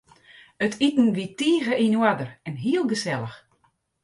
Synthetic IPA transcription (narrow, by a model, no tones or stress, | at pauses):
ətʰitn̩ʋitiːɣəʔinwadərɛnɦiəlˠɡəsɛlˠəx